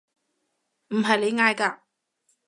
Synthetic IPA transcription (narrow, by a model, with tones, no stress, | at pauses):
m̩˨˩ɦɐ˨jle˨˧jŋaː˧jkaː˧